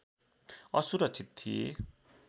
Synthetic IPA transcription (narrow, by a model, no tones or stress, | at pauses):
ʌsuɾʌk̚t͡sʰit̪̚t̪ːʰijḛ